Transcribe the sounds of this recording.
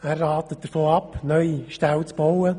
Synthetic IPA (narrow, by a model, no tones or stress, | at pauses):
æːrːaːtət̚d̥əfoːɑpnœʏiʃtawt͡sb̥ɔwə